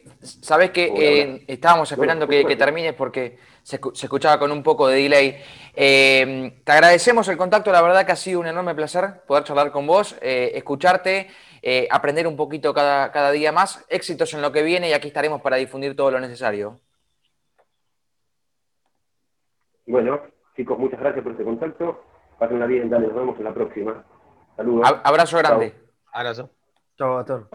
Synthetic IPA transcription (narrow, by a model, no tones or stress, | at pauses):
saβeskeʔeest̪aβamo̞sepe̞ɾand̪okeket̪eɾmĩne̞hpo̞ɾke | sesekut͡ʃaβako̞numpo̞koðeðilejemt̪eaɣɾað̞ese̞mo̞se̞lko̞nt̪akt̪o̞laβ̞eɾð̞akeasiðouneno̞ɾme̞plaseɾpo̞ð̞eɾt͡ʃarlaɾko̞mbo̞seehkut͡ʃaɾt̪e̞ | eapɾend̪eɾumpo̞kit̪o̞kaðakaðaðiamase̞ksit̪o̞se̞nlo̞ke̞βje̞ne̞iakiest̪aɾe̞mo̞spaɾaðifund̪iɾt̪o̞ð̞olo̞ne̞s̬esaɾjo | bweno | t͡ʃikozmut͡ʃaɣɾasjaspoɾest̪eko̞nt̪ak̚t̪o | pasenlaβiðend̪alenozβemosenlapɾoksima | saluðoaβɾaso̞ɣɾand̪e | aβɾaso | t͡ʃoat̪oɾ